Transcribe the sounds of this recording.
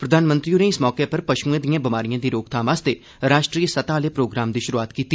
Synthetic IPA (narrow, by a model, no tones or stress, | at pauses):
pɾəd̪ʱaːnmə̃nt̪ɾionẽːɪsmɔːkepəɾpəʃũːẽːd̪ijãːbɪmaːɾijãːd̪iːɾoːkt̪ʰaːʋaːst̪eː | ɾaːʃʈɾiːəsət̪aːleːpɾoːɡɾaːmd̪iːʃʊɾuaːt̪kiːt̪ːi